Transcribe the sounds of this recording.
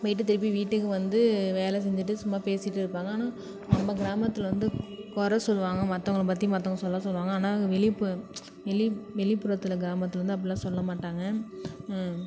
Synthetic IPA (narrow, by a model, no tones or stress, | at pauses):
ʋɐɪʈːɯt̪ɪɾɯp̬ːiʋiːʈːɯkːɯʋɐnd̪ɯʋeːlɛs̬ɛɲd͡ʒɯʈːɯsʊmːaːpeːsɪʈːɯɪɾɯpːaːŋɡɐaːnaː | ɐmbɐɡɪɾaːmɐt̪ːɪlʋɐnd̪ɯkɔɾɐsɔlːʋaːŋɡɐmɐt̪ːɐŋɡɐɭɐp̬ɐt̪̬ːijmɐt̪ːɐɔŋɡɐɭsɔlːɐsɔlːʋaːŋɡɐaːnaːkʋɛɭɪpːɯ | ʋɛɭɪʋɛɭɪpːʊɾɐt̪ːɪlɐɡɪɾaːmɐt̪ːɯɐʋɾɐnd̪ɯɐpːɐɽɪlːãːsɔlːɐmaːʈːaːŋɡɐ